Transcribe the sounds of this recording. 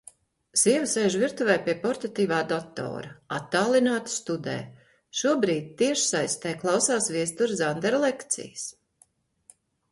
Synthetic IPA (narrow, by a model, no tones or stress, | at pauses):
z̥iɛvisɛjʒvʲiɾt̪uvɛjpiɛpɔɾt̪at̪iːvaːd̪ɔt̪ɔ̰ːɾɐat̪ːaːlˠinaːt̪st̪ud̪ɛ̰ː | ʃuɔbɾiːd̪̚ʲt̪iɛʃsajst̪ɛjklˠɑwsaːsviɛst̪uɾzand̪ɛɾlˠɛkt̪sḭjs